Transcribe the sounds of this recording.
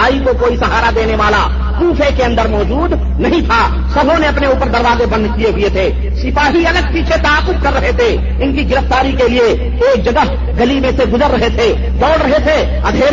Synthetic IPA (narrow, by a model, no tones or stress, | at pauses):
aːikokoːisɐɦaːɾad̪eːneʋaːla | kuːpʰekeɐ̃nd̪əɾmɔːd͡ʒuːd̪ | nɐɦĩt̪ʰa | sɐbʱõneɐpneuːpəɾd̪əɾʋaːzebə̃nd̪kieɦʊjet̪ʰeː | sɪpaːɦiɐləɡ̚piːt͡ʃʰet̪aːkʊd̪̚kəɾːɐɦet̪ʰe | ɪnkiɡɪɾəft̪aːɾikelie | eːk̚d͡ʒɐɡəɦ | ɡɐlimẽseɡʊzəɾːɐɦet̪ʰe | d̪ɔːɽɾɐɦet̪ʰe | ɐd̪ʱeː